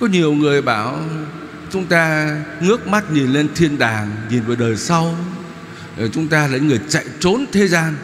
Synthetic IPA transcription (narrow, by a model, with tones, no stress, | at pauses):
kɔ˨˦ɲi˨˩əwŋɨ˨˩əjɓaː˧˩w | t͡ɕʊ˨˦ŋ͡mt̪aː˧ŋɨ˦˥ək̚ma˦˥t̚ɲi˨˩nle˧nt̪ʰi˧ənɗaː˨˩ŋɲi˨˩nvəː˨˩jɗəː˨˩jsa˧w | t͡ɕʊ˨˦ŋ͡mt̪aː˧laː˨˩˨ɲ̰˨˦ŋɨ˨˩əjt͡ɕa̰˧˨jt͡ɕo˨˦nt̪ʰe˨˦zaː˧n